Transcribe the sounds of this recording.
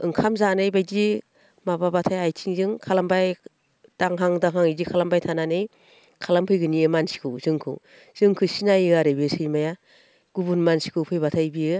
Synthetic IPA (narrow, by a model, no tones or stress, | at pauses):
ɯŋkʰamzanɯjbajdi | mababatʰajajtʰiŋzɯŋkʰalambaj | d̥aŋɦaŋdaŋɦaŋizikʰalambajtʰananɯj | kʰalampʰɯjɡɯniɯmansi̥kʰɯwzɯŋkʰɯ̰ | z̥ɯŋkʰɯsinajiɡaɾɯbɯsɯjmaja | ɡ̥ubunmansi̥kʰɯpʰɯjbatʰajbiɯ